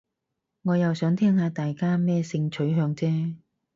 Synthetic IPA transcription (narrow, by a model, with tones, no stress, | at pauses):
ŋɔː˨˧jɐ˨wsœː˨˥ŋt̪ʰɛː˥ŋhaː˧t̪aː˨jkaː˥mɛː˥sɪ˧ŋt͡ʃʰɵ˨˥ɥɦœː˧ŋt͡sɛː˥